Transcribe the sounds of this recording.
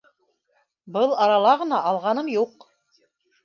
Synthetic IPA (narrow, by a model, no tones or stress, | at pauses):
bɤlˠɑɾɑlˠɑʁɤ̆nɑʔɑlˠʁɑnɤmjuq